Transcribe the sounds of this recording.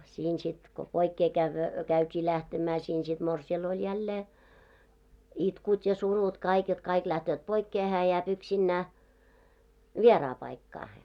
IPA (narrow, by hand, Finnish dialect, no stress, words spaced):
siːn sit ko poikːeː kæʋːø kæytʲiː læhtemæː siːn sit morsiɑl olʲ jælːeː itkut jɑ surut kɑik jot kɑik læhtøːt poikːeː hæː jæːp yksinːæː ʋierɑː pɑikːɑːhen